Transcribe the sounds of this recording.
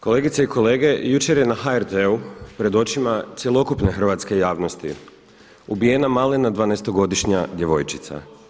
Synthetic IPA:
ko̞le̞ːɡit̪seiko̞le̞ːɡe̞jut͡ʃe̞ɾje̞naxaeɾt̪eupɾe̞d̪o̞t͡ʃimat̪sjelˠo̞kupne̞xr̩ʋat̪ske̞jaːʋno̞st̪ḭ | ubijenamalenad̪ʋaːnest̪o̞ɡo̞d̪iʃɲad̪je̞ʋo̞jt͡ʃi̥t̪sa̰

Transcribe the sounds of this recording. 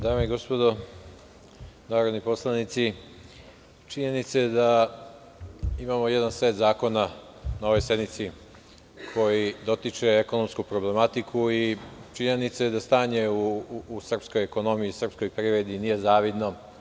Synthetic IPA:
d̪aːmeiɡo̞spo̞d̪o̞ | naːɾod̪nipo̞slˠanit̪si | t͡ʃiɲe̞nit̪sad̪a | imamo̞jed̪anseːt̪zaːko̞na | nao̞ʋo̞jse̞d̪mit̪si | kʰo̞jid̪o̞t̪it͡ʂe̞eko̞nomskupɾo̞ble̞mat̪ikʰuit͡ʃiɲenit̪saed̪ast̪aːɲe̞uːsr̩psko̞jeko̞no̞mijisr̩psko̞jpɾiʋɾed̪inije̞zaːʋid̪no̞

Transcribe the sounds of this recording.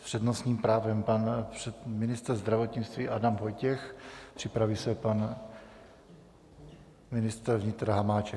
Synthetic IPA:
pr̝̥ɛdnosɲiːmpɾaːvɛmpanpr̥ɛmɪnɪst̪ɾzd̪ɾavot̪ɲɪt͡st̪viːʔadamvojcɛxpr̥ɪpɾavisɛpan | mɪnɪst̪ɾvɲɪt̪ɾaɦamaːt͡ʃɛ

